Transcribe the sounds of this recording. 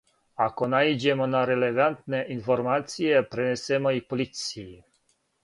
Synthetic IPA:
akonaid͡ʒemɔnaɾelevant̪neʔinformat̪sijepɾenesemojpolit̪sii

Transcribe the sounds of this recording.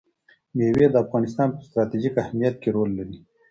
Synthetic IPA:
jewed̪əafɣɑːnɪst̪ɑːnpəst̪ɾɑt̪id͡ʒikahmijat̪̚keɾoːlːaɾi

